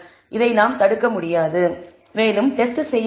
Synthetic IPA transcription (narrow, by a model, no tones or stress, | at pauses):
ʔɪðɐɪnaːmt̪ɐɽɯkːɐmʊɽɪjaːðɯ | meːlɯmʈɛsʈɯsɛjː